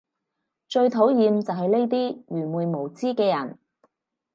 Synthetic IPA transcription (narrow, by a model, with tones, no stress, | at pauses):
t͡ʃɵ˧ɥt̪ʰo˨˥wjiː˧mt͡sɐ˨wɦɐ˨jne˥jt̪̬iː˥jyː˨˩nmuː˨˩jmo˨˩wt͡siː˥kɛː˧jɐ̰˨˩n